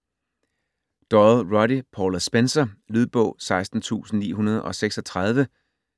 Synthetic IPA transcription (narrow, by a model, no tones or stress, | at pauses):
d̥ɒlˠʁɒ̽dipʰɒːlsb̥ensɐlyð̞ˠb̥ɔ̰̽ʊ̰sɑ̈ɪsd̥n̩t͡sʰṵːsn̩nḭːɦunɐð̞ˠʔɒ̽seɡ̥sɒ̽t͡sʰʁɑð̞ˠʋə